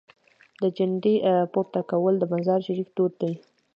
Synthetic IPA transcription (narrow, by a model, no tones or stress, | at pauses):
d̪əd͡ʒanɖipoɾt̪akawəld̪əmazɑɾʃaɾikt̪oɾ̚d̪aj